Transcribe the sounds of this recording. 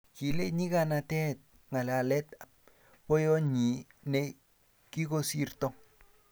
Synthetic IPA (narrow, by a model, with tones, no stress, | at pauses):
ki˨le˦ɲi˦ka˦na˧tɛ˦t̪̚ | ŋa˨la˨lɛ˦ta | po˦jɔ˦ɲi˨ne˦ | ki˦ko˦si˦rt̪ɔ˦